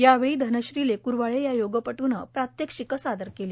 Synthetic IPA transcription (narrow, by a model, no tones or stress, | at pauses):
jaʋeɭiːd̪ʱənəɕɾilekuɾʋaɭejajoɡəpəʈunəpɾat̪jekɕikəsad̪əɾkeli